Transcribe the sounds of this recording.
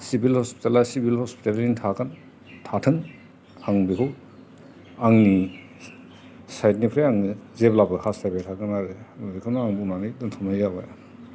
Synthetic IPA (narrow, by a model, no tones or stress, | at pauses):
sibilhɔspi̥talasibilhɔspi̥talintʰakan | tʰatʰɯŋ | aŋbikʰɯw | aŋni | sajtnipʰɾejaŋnizeplabɯhʰastʰajbajtʰakɯnaɾɯnaɾikʰawnaŋbunanidɯntʰɔmajɡaba̰j